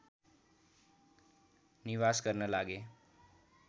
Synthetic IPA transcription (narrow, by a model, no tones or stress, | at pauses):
niʋaskəɾnəlaɡe